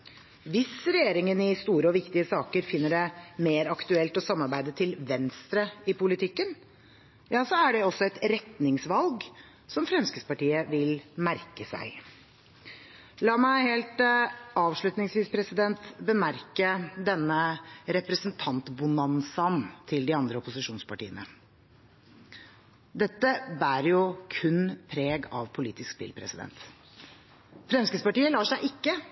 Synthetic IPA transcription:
ʋɪsɾɛjeːɾɪŋənɪst̪uːɾəɔʋɪkt̪ɪəsɑːkəɾfɪnːəɖɛmeːɾɑkt̪ʉɛlt̪ɔsɑmːɑɾbæɪd̪ət̪ʰɪlʋɛnst̪ɾəɪpʊlɪt̪ʰɪkːən | jɑːsɔæɖɛɔsːɔɛt̪ɾɛt̪nɪŋsʋɑlɡ | sɔmfɾɛmskəspɑʈiːəʋɪlmæɾkəsæ̰ɪ | lɑːmæɪheːlt̪ɑːʋʂɭʉt̪nɪŋsʋiːspʰɾɛsɪd̪ɛnt̪bəmæɾkəd̪ɛnːəɾɛpɾəsnt̪ʰɑnt̪bʊnɑnsɑnt̪ʰɪld̪ɪɑnd̪ɾəɔpʊsɪʂuːnspʰɑʈḭːənə̰ | d̪ɛt̪ːəbæːɾjʊkʰʉnpʰɾeːɡɑʋpʰʊliːt̪ɪskspɪ̰lpʰɾɛ̰sɪd̪ɛ̰nt̪ | fɾɛmskəspɑʈiːəlɑːʂæɪʔɪkːə

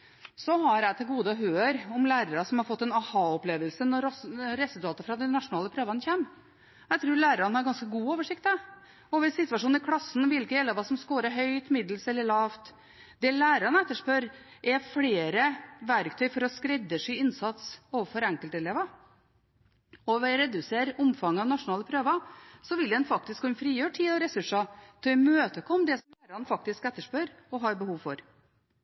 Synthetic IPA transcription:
sɔhɑɾæɪt̪ʰɪlɡuːd̪əɔɦøːɾɔmlæːɾəɾɑsɔmhɑɾfɔt̪ːɛnɑhɑːɔpleːʋəlsənɔɾɾɛsʉlt̪ʰɑːt̪əɾfɾɑd̪ɛnɑʂʊnɑːləpʰɾøːʋɑnəçeːm | æɪt̪ʰɾuːɾɭæːɾɾɑnəhɑɾɡɑnskəɡuːoːʋəʂɪk̚t̪d̪æ | ɔʋɪsːɪt̪ʋɑʂuːn̩ɪkʰlɑsːnʋɪlkəjɛlːəʋɑːsɔmskoːɾəɦœʏt̪mɪd̪l̩sɛlːəɭɑːʋt̪ | d̪̥ɛlæːɾɑnɛt̪ːəʂpøɾ | ʔɛfɽeːɾəʋæɾkt̪ʰœʏfɔɾɔskɾɛd̪ːəʂɛɪnsɑt̪soːʋəɾfɔɾɛŋkəlt̪ɛleːʋə | ɔʋɛɾɛd̪ʉseːɾʊmfɑŋːɑʋnɑʂʊnɑːləpʰɾøːʋəsɔʋɪld̪ɛnfɑkt̪ɪskʰːʉnfɾiːjøːʈʰiːd̪ɔɾɛsʉʂɑt̪ʰɪɛmøːt̪əkʰɔmːd̪ɛsɔmlæːɾəɑnfɑk̚t̪ɪskɛt̪ːəʂpøːɾ | ɔɦɑːɾbəhuːʋfɔɾ

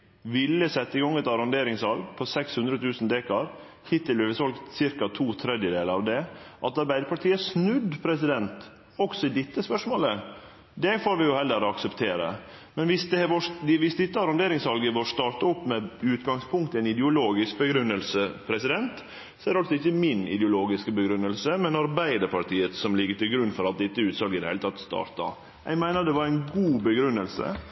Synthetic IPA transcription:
ʋɪlːəsɛt̪ːəɪɡɔŋɛt̪ɑɾɔnd̪eːɾɪŋsʋɑlɡpʰɔsɛkshʉnd̪ɾət̪ʰʉːsnd̪eːkɑɾ | hɪt̪ːɪlyʋəsɔlɡt̪sɪɾkɑt̪ʰuːt̪ʰɾɛd̪jəd̪eːləɾɑʋd̪ɛʔɑt̪ɑɾbæɪd̪əpʰɑʈʰiːəsnʉd̪pʰɾɛsɪd̪ɛnt̪ | ɔksɔɪd̪ɪt̪ːəspœʂmoːlə | d̪ɛfoːɾʋɪjʊhɛlːəɾɔɑksəpt̪ʰeːɾə̰ | mɛnʋɪsd̪ɛʋɔʋɪsd̪ɪt̪ːəɑɾʉnd̪eːɾɪŋsʋɑlɡəʋɔʂt̪ɑːʈɑɔpːmɛʉːt̪ɡɑŋspʰʊŋkt̪æɪnɪd̪əʊloːɡɪsk̚bəɡɾʉnːəlsəpʰɾɛsɪd̪ɛnt̪ | sɔɛæd̪ɛɑlsɔɪçːəmɪnɪ̰d̪ɛʊloːɡɪskəbəɡɾʉnːəlsəmɛnɑɾbæɪd̪əɾpʰɑʈiːət̪sɔmlɪɡːəʈɪlɡɾʉnːfɔɾɑt̪̚d̪ɪt̪ːəʉːt̪sɑlɡəɪd̪ɛhɪət̪ʰɑt̪ːst̪ɑ̰ːɾʈ̪ɑ̰ | æ̰ɡmæɪnəɾd̪ɛʋɑɾæɪnɡuːbəɡɾʉnːəlsə̰

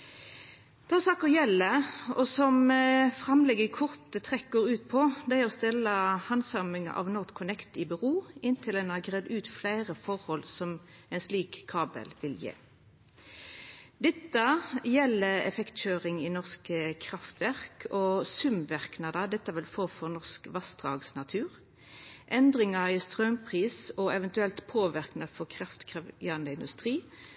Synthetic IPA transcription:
d̪̥ɛɑsɑːkəʁjɛlːəɔsɔmfʁɑmlɛɡəkʰʊʁt̪ət̪ʰʁɛkːɡoːɾʉːt̪̚pʰɔd̪ɛæʁɔst̪ɛləhɑnsɑmɪŋ̰ʔɑ̰ʋnɔt̪kʰʊnɛkt̪ɪbəʁuːɪnt̪ʰɪlɛnɑɡʁeːd̪ʉːt̪flæɪʁəfɔʁhɔlsɔmɛɪnsliːkʰːɑːbə̰lʋɪljḛː | d̪ɛt̪ːəjɛlːəɛ̰fɛkt̪ɕøːʁɪŋɪnɔʁskəkʰʁɑft̪ʋæʁkʰɔsʉmʋæʁknɑd̪ɑd̪ɛt̪ːəʋɪlfoːfɔʁnɔʁskʋɑst̪ʁɑːɡsnɑt̪ʰʉːʁ | ʔɛnd̪ʁɪŋɑɾɪst̪ʁœmpʰʁiːsɔɛʋənt̪ʉɛlt̪pʰoːʋɪʁknɑfɔkʰʁɑft̪kʰejəɑnd̪əɪnd̪ʉst̪ʁiː

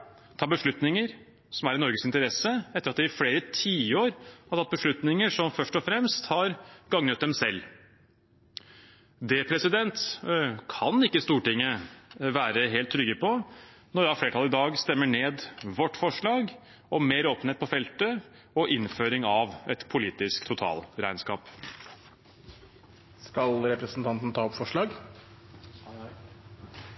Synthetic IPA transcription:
t̪ʰɑːbəʂɭʉt̪nɪŋəɾ | sɔmæɾɪnɔɾɡəsɪnt̪əɾɛsəɛt̪ːəɾɑt̪d̪ɛɪfleːɾət̪ʰiːəoːɾhɑt̪ʰɑt̪̚ːbəʂɭʉt̪nɪŋəʂɔmfœʂʈɔfɾɛmst̪hɑɾɡɑŋnət̪̚d̪ɛmsɛlː | d̪ɛpʰɾɛsɪd̪ɛnt̪kʰɑnɪkːəst̪uːʈɪŋːəʋæːɾəɦeːlt̪ʰːɾʏɡːəpʰɔnɔɖɛɑɾfleːʈʰɑːlɪd̪ɑːɡst̪ɛmːəɳeːd̪ʋɔʈːfɔʂɭɑːɡ | ɔmmeːɾoːpn̩heːt̪̚pʰɔfɛlt̪ə | ɔʔɪnføːɾɪŋɑʋɛt̪pʰʊliːt̪ɪskt̪ʰʊt̪ʰɑ̰ːlɾæɪnskɑːp | skɑlɾɛpɾəsn̩t̪ʰɑnt̪n̩t̪ʰɑːɔpfɔʂɭɑːɡ

